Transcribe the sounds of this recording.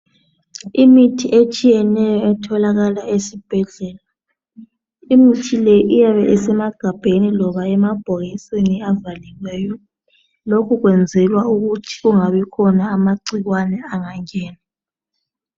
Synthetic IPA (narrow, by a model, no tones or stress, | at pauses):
imitʰiʔet͡ʃʼijɛnɛjɔɛtʰɔlaɣalaesib̥ʱɛɮɛːla | imitʰileʔijaβɛʔɛsɛmaɡ̥ʱab̥ʱenilɔβaɛmab̥ʱoɣisweniavaliɣwɛːjɔ | lokʰuɣwɛnd͡zʱɛlwauɣutʰi̥ɣuŋaβɛkʰɔnaːmaǀiɣwanɛaŋaŋɛːna